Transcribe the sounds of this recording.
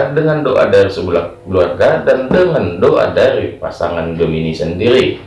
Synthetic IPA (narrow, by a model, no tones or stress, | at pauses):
dəŋandoʔa̰darisəbulak | əluarɡadandəŋandoʔa̰daɾipa̰sa̰ŋanɡəminisəndiɾi